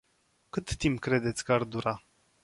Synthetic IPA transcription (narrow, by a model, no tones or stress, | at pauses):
kɨt̪ːimpkɾe̞d̪et̪sʲkəard̪uɾa